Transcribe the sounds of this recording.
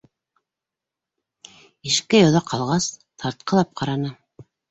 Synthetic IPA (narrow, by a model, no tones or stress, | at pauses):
iʃkɘjɑðɑqʰɑlˠʁɑst̪ʰɑɾt̪̚qɤ̆lˠɑp̚qʰɑɾɑnɤ